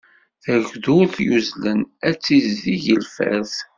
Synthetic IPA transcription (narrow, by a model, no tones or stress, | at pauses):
θæʝðʊθjuzlənæt͡sːizːiʝəlfæ̰θ